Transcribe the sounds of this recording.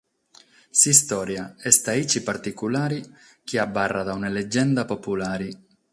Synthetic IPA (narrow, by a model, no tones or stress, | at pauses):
sist̪ɔːɾjaɛst̪ait͡ʃipart̪ikulaːɾi | k̟iabːarːad̪aunaled͡ʒːɛnd̪apopulaːɾi